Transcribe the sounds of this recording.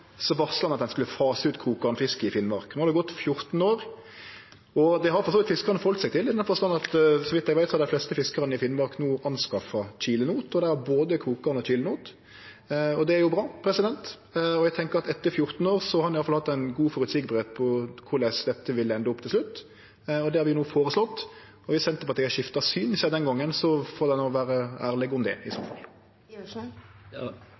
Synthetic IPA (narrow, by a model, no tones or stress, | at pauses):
sɔʋɑʁsəlɑnɑt̪d̪ɛnskʉləfɑːsʉːt̪kʰʁuːkɑʁnəfɪskəɪfɪnmɑɾknoːhɑd̪ɛɡɔt̪ːfjʊɾt̪n̩oːɾ | ɔd̪ɛɦɑɾfɔsoːʋɪt̪fɪskəʁɑnəfɔlt̪sɛɪt̪ʰɪlɪnːɑnfɔst̪ɑnɑt̪sɔʋɪt̪d̪æʋæɪsɔɑd̪ɛɪflɛst̪əfɪskəʁənəɪfɪnmɑʁknuːʔɑnskɑfɑt͡ʃiːlənuːt̪ɔd̪æhɑboːd̪əkʰɾuːkɑʁnɔt͡ʃʰiːlənuːt̪ | ɔd̪ɛæɾjʊbʁɑːpʰɾɛsɪd̪ɛnt̪ | ɔjɛɡt̪ʰɛŋkəɾɑt̪ɛt̪ːəɾfjʊɾt̪n̩oːɾsɔhɑɾnɪjɑlflhɑt̪ːæɪnɡuːfɔɾʉt̪sɪɡbɾet̪pʰɔkʰʊɾlæsd̪ɛt̪ːəʋɪlːəɛnd̪əɔpt̪ʰɪlslʉt̪ː | ɔd̪ɛhɑɾʋɪʊnuːfoːɾəslɔt̪ː | ɔʋɪsɛnt̪ːəpɔɑt̪ːɛɡæʃɪft̪ɑsyːnɪsɛd̪ɛnɡɔŋːənsɔfoːɾd̪ɛnɔːʋæːɾəæːʁlɛɡʊmd̪ɛ̰ɪso̰ːfɑ̰l